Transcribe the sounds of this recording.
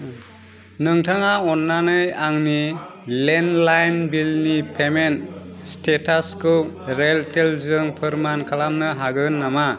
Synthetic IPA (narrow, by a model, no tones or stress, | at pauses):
nɯŋtʰaŋaɔnːanɯjaŋnilenlajnbilnipʰemenstetaskuɾeltelzɯŋpʰɯɾmankʰalamnɯɦaɡɯnːama